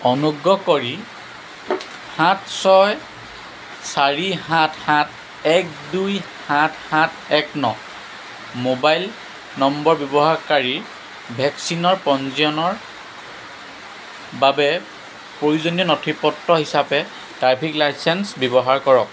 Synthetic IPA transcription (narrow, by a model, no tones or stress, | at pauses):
ɔnuɡɹɔkoɹi | hatʰsɔj | saɹihãtʰhãt | ɛk̚duj | hãtʰhãtʰ | ɛknɔ | mobajl | nɔmbɔɹbjɔbɔɦaɹkaɹiɹ | bʱɛksinɔɹpɔnziɔnɔɹ | babɛ | pɹouzonijɔnɔtʰipɔtːɔɦisapɛ | taɹpʰiklajsɛnsbjɔbɔɦaɹkɔɹɔk̚